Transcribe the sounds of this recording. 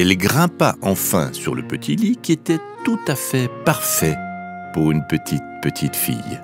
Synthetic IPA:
ɛlɡʁɛ̃paʔɑ̃fɛ̰̃syʁləpət̪ʰilikʲiet̪ɛt̪ut̪afɛpaʁfɛ | puʁynpət̪ʰit̪̚pət̪ʰit̪fḭj

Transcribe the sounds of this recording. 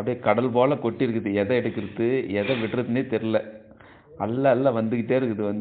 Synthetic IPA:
ɐpːɐɽɪkɐɽɐlpoːlɐkɔʈːɪɾɯkːɯðɯɛðɐ̃ɛɽɯkːɪɾɯðɯɛðɐʋɪʈrɐðɯneːt̪ɛɾɯlɛ | ɐlːɐːlːɐʋɐnd̪ɯkɪʈːeːɪɾɯkːɐðɯʋɐnd̪

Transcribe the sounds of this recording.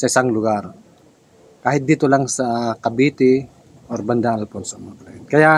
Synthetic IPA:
sasaŋluɡar | kaɦit̪̚dit̪ulaŋsakabit̪i | ɔrbandaalpɔnsɔmaklankaja

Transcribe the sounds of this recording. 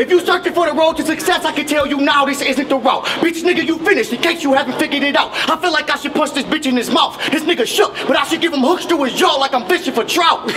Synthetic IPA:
ɨfjɨsɜ˞t̚ɨfɔðəɹoʊd̚tʰɨsɨksɛsaɪkɨd̚tʰɛlˠjɨnaʊðɪsɪzɨ̃nt̪̚ðəɹoʊt̚b̥isnɪɡɨ˞jɨfɪ̃nɨʃt̚hikʰeɪksjəhævɪ̃ŋfɪɡə˞ɾɪɾaʊt̚aɪfilaɪkaɪʃɨd̚pʰʌsðɪsbɪt͡ʃɨ̃nɨzmaʊθðɪsnɪɡəʃʊk̚b̥ʌɾaɪʃɨd̚ɡɪv̥ə̃mhʊkstɹuɨd͡ʒɔlaɪkãɪ̃ɱfɪʃɪ̃ŋfətʰɹ̥aʊt̚

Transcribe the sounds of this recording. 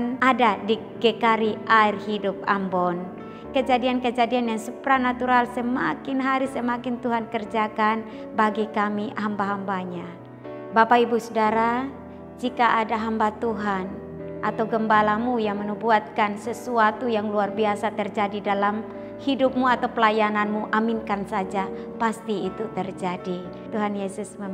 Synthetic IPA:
nadadi | ɡekaɾiʔaɪrhidʊp̚ambɔn | kəd͡ʒadiankəd͡ʒadianjaŋsupɾanat̪uɾalsəmakɪnɦaɾisəmakɪnt̪uɦankərd͡ʒakan | baɡikamiɦambaɦambaɲa | bapaibusudaɾa | d͡ʒikaadaɦambat̪uɦan | ʔat̪awɡəmbalamujaŋmənubuat̪̚kansəsuat̪ujaŋluarbiasat̪ərd͡ʒadidalam | hidʊp̚muat̪awpəlajananmuʔamɪnkansad͡ʒa | past̪iːt̪ut̪ərd͡ʒadi | t̪uɦanjesʊsmə

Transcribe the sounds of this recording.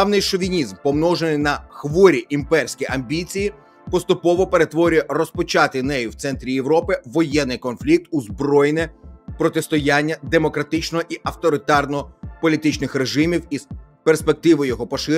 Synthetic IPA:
ɑwnɪjʃɔʋʲinʲizmpɔmnɔʒenɪjnɐxʋɔɾʲiʔimpɛrsʲkijɐmʲbʲit͡sʲiji | pɔst̪ʊpɔʋɔpeɾe̞t̪ʋɔɾʲʊjɛrɔspɔt͡ʃɑt̪ɪnɛjʊwt̪sɛnt̪ɾʲijeʋɾɔpɪʋɔjɛnːɪjkɔnflʲik̚t̪uzbɾɔjnɛpɾɔt̪est̪ɔjanʲːɐd̪emɔkɾɐt̪ɪt͡ʃnɔʔiʔɐft̪ɔɾɪt̪ɑrnɔpɔlʲit̪ɪt͡ʃnɪxre̞ʒɪmʲiwisperspek̚t̪ɪʋɔjjɔɦɔpɔʃɪ

